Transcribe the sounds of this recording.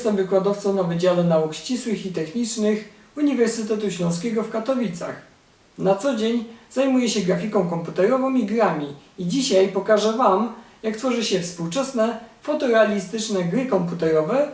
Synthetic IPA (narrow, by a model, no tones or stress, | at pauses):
jɛst̪ɛmvɘkwad̪ɔft̪sɔ̃w̃navɘd͡ʑalɛnaukɕt͡ɕiswɘxit̪ɛxɲit͡ʂnɘx | uɲivɛɾsɘt̪ɛt̪̬uɕlɔ̃w̃s̬kʲɛɡɔfkat̪ɔvʲit̪sa̰x | nat̪sɔd͡ʑeɲzajmujɛɕɛɡɾafʲikɔ̃w̃kɔmput̪ɛɾɔvɔ̃miɡɾamʲiid͡ʑiɕajpɔkaʐɛvamjakt̪fɔʐɘɕɛfspuwt͡ʂɛsnɛfɔt̪ɔɾɛalʲist̪ɘt͡ʂnɛɡɾɘkɔmput̪ɛɾɔvɛ